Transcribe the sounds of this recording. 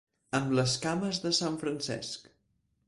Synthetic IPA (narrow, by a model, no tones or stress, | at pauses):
əmləskaməzðəsaɱfɾənsɛ̰sk